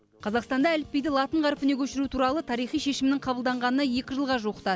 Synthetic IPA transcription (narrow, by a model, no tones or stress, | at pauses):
qʰɑzɑqst̪ɑnd̪ɑælɪpːejd̪ɪlˠɑt̪əɴʁɑɾəpɪne̞kʲʰɵʃɪɾut̪ʰuɾɑlˠət̪ʰɑɾijχijʃe̞ʃɪmɪnɪɴqʰɑbəlˠd̪ɑɴʁɑnənɑje̞kʲɪʒəlˠʁɑʒuqə̥t̪ɑ